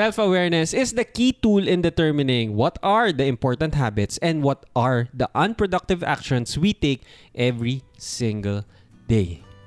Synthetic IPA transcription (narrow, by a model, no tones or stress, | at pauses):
sɛlfɐwɛɹnɛsɪsd̪ɐkiːt̪ulɪ̃nd̪ɛt̪ɛɹmɪnɪ̃ŋwɔt̪aɹd̪ɐɪ̃mpɔɹt̪ɐ̃nt̪ɦabɪt̪sɛ̃nd̪wɔt̪ʔɐɹd̪ɐʔɐ̃npɹɔd̪ʌk̚t̪ɪva̰k̚ʃɔ̃nswit̪ek̚ʔɛvɹisɪ̃ŋɡɐl | d̪eɪ